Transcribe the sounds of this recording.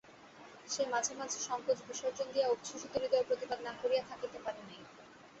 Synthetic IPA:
ʃemad͡ʑʱemad͡ʑʱeʃɔŋkod͡ʑbiʃɔɾd͡ʑond̪ijaukʃuʃit̪oɾid̪ɔɾpɾot̪ibad̪nakoɾijat̪ʰakit̪epaɾeni

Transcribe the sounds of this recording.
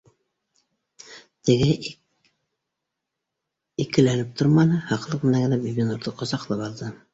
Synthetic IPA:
t̪ɘ̆ɡɘ | ikɘ̆lælɘp̚t̪oɾmɑnɤhɑqlˠɤq̚mɘ̆næɡɘ̆næbibʲinuɾðɤqŏzɑqlˠɤpɑlˠd̪ɤ

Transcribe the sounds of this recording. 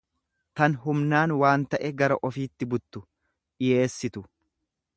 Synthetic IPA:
t̪ɐnɦʊmnaːnwaːnt̪ɐʔɛɡɐɾɐʔɔfiːt̪ːɪbʊt̪ːʊ | ᶑɪje̞ːsːɪt̪ʊ

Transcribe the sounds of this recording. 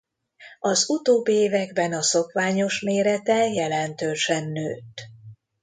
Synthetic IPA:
ɒzut̪oːbːieːvɛɡbɛnɒso̞kʋaːɲo̞ʃmeːɾɛt̪ɛjɛlɛnt̪øːʃɛnːøːt̪ː

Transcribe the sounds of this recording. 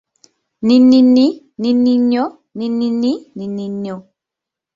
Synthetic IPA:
ninini | ninːiɲjɔ | ninininininio

